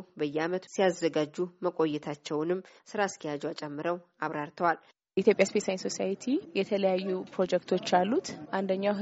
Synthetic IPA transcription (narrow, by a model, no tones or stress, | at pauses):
bəjːɛamət̪sijazːəɡad͡ʒːuməkʼo̞jːɛt̪ʰat͡ʃːɛwnɨmːsɨɾaskʰijad͡ʒɛwat͡ʃʼɛmːɨɾəw | aβɾaɾt̪ʰəwal | it̪ʰjo̞pʼjaspesajnso̞sajit̪ʰijɛt̪ʰələjajːupɾo̞d͡ʒɛkt̪ʰo̞t͡ʃːalːut̪ʔand̪əɲːawɦ